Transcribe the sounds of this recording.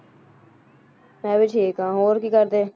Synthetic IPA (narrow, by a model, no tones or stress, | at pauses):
mɛ̃ːʋɪt͡ʃʰeːkãːɦoːɾkiːkəɾd̪eː